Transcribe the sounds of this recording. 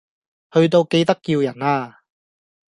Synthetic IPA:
hɵ˧ɥt̪̬o˧wke˧jt̪ɐ˥kːiː˧wjɐ˨˩naː˧

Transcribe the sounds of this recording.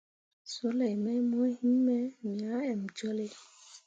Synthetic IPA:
so˨˦le˨mɛ˦mɔ˦hi˦mɛ˦mĩ˨a˨˦ɛ˨md͡ʒɔ˦le˦

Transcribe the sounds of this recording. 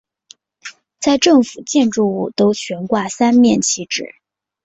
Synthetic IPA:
t͡sa˥˧ɪʈ͡ʂɤ˥˩ŋfu˨˩t͡ɕjɛ˥˧nʈ͡ʂu˥˧u˥˩t̪o˥ʊt͡ɕʰɥɛ˧˥nkwa˥˩sa˥nmjɛ˥˩nt͡ɕʰi˧˥ʈ͡ʂɻ̩˨˩˦

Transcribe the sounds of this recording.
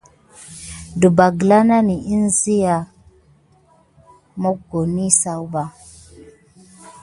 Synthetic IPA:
du˨ba˨ɡla˦na˦ni˨i˦n˦zi˦ja˨ | mɔ˦ɡo˨ni˦sa˨wu˦ba˨

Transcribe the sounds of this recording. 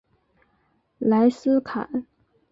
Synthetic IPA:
la˧˥ɪsɹ̩˥kʰa̰˨˩˦n

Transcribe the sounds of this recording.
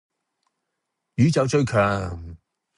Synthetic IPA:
jyː˨˥t͡sɐ˨˧wt͡ʃɵ˧ɥkʰœː˨˩ŋ

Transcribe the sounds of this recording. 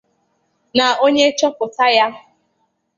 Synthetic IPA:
na˨o˦ɲe˦t͡ʃɔ˦pʊ˨ta˦ja˦

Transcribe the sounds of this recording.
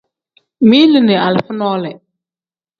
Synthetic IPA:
mi˦li˦ne˨a˨lfə˦nɔ˦lɛ˨

